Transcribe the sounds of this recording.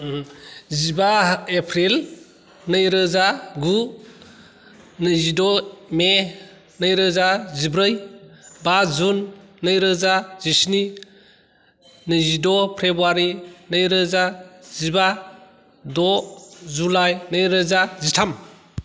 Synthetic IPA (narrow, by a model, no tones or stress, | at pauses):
zibaepʰɾil | nɯjɾɯzaɡu | nɯzidɔme | nɯjɾɯzazibɾɯjbazunːɯjɾɯzaz̥isni | nɯzidɔpʰɾebaɾinɯjɾɯzaziba | dɔzulajnɯjɾɯzazitʰam